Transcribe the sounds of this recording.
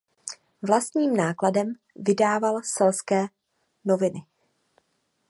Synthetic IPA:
vlast̪ɲiːmnaːkladɛm | vɪdaːvalsɛlskɛː | no̞vɪnɪ

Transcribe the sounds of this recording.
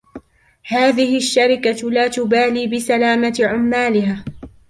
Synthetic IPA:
haːðɪhɪʔʃːaɾɪkalaːt̪ʊbaːliːbɪsalaːmat̪ʕʊmːaːlɪɦaː

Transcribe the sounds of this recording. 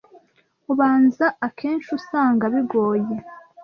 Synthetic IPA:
uβaːnzaakʰe̞ːnʃusaːŋɡaβiɡo̞ːje

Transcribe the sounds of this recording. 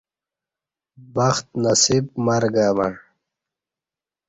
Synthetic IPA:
bɐxt̪̚nɐsibmɐɾɡaːmaɳ

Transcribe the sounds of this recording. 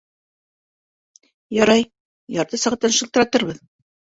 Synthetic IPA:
jɑɾɑj | jɑɾt̪ɤsɤ̆ʁɑ̆t̪ːɑnʃɤ̆lt̪ɤ̆ɾɑt̪ɤɾβɤð

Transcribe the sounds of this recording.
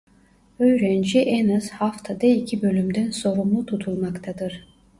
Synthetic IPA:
ø̞jɾænd͡ʒiʔɛnaz̥haft̪ʰad̪aicʰibø̞lʲymd̪ænso̞ɾumlˠut̪ʰut̪ʰulˠmakt̪ʰad̪ɯɾ̥

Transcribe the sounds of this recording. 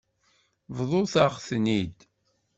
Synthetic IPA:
vðˤoθaʁθnid̪

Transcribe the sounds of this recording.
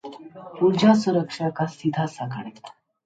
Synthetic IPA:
puɾd͡ʑʱasuɾəkʂakasid̪ʱasaka̰ɳet̪

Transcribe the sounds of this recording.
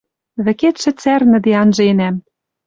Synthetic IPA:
βɘ̆ket̪ʃɘ̆t͡særnɘ̆d̪eɑnʒɤ̆enæm

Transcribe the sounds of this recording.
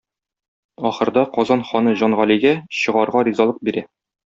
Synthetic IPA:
ɒχɤ̆ɾd̪ɑqɒzɑnχɒnɤʑɒnʁæliɡæɕɤ̆ʁɑɾʁɑɾʲizɑlˠɤq̚biɾæ

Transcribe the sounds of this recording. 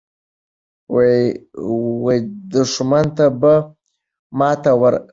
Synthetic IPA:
wajd̪ʊʂmant̪aba | mɑt̪awaɾ

